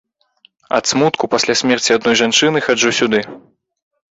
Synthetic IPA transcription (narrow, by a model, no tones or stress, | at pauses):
ɐ̰t̪smut̪kupasʲlʲasʲmʲɛrt͡sʲiad̪̚nɔjʐant͡ʂɨnɨxad͡ʐusʲud̪ɨ